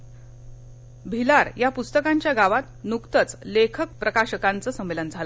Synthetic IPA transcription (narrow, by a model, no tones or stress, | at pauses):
bʱilaɾjapust̪əkãɲt͡ɕjaɡaʋat̪nukt̪ət͡slekʰək̚pɾəkaɕəkãnt͡səːsəmːelənd͡zʱalə